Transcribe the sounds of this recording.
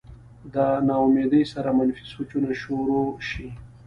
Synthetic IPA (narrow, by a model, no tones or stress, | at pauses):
d̪ənɑomed̪əjsaɾamanfi̥sot͡ʃunaʃoɾoʃi